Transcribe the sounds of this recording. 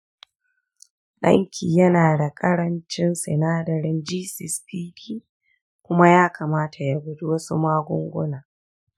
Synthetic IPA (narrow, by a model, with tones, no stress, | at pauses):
ɗɐ̰˦ŋkʲʰiː˨jɐ˦naː˨da˨kʼɐ˦ɽɐ˦nt͡ʃɪ˦nsɛ̰˨naː˦dɐ˨ɾɪ˦nd͡ʒiː˦sɪ˨spiː˦tiː˦ | kʷʊ˦ma˦jaː˦kʰaː˨maː˦tʰa˨ja˦ɡʷʊ˦du˦wɐ˦su˦maː˦ɡʷʊ̰˦ŋɡʷʊ˦naː˨